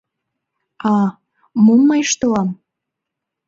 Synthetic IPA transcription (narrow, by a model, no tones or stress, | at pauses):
ɑ | mumːɑjʃt̪olɑm